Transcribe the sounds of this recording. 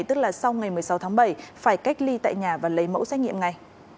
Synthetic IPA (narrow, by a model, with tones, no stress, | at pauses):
jt̪ɨ˦˥k̚laː˨˩sa˧wŋa˨˩jmɨ˨˩əjsa˨˦wt̪ʰːŋɓə˧˩jfaː˧˩jka˦˥jk̟̚li˧t̪a̰ː˧˨jɲaː˨˩vaː˨˩lə˨˦jmo̰˧˥wsɛ˦˥k̚ŋi˧˨əmŋa˨˩j